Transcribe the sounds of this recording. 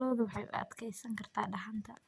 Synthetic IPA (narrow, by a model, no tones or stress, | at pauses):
ɔːðʊwɑħɑjʔʊ̰ʔɐ̰d̪kʰɛjsɐŋkʰɐrt̪ʰaːɖɐɦɐnt̪ʰɐ